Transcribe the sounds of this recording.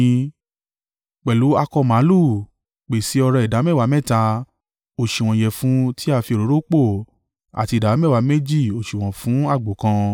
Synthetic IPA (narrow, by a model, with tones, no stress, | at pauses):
k͡pɛ˨lu˨˦a˧kɔ˧mã˨˦lu˦˨ | k͡pe˨si˨˦ɔ˧ɾɔ˧i˨da˨˦mɛ˦˨wa˨˧˦mɛ˦˨ta˧ | o˨ʃi˨w̃ɔ̃˨jɛ˨fũ˦tʰi˦a˦˧fi˧o˨ɾo˨˦ɾo˦k͡po˦˨ | a̰˨ti˧˨da˨˦mɛ˦˨wa˨˦me˦d͡ʒi˦˨o˨ʃi˨w̃ɔ̃˨fũ˨˦a˦˨ɡ͡bo˨kã˧